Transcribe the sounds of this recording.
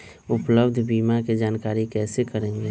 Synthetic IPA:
ʊpləbd̪ʱbiːmaked͡ʒaːnkaːɾikɛːsekəɾẽːŋɡe

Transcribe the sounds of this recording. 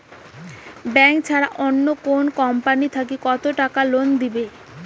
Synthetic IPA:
bɛŋkt͡ɕʰaɾaʔonːokonkɔmpanit̪ʰakikɔt̪oʈakalond̪ibe

